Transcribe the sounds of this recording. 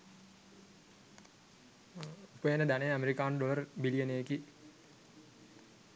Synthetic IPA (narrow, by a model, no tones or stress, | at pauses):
upəjenəd̪ænejæmeɾikaːnɖoʋərbilijəneːki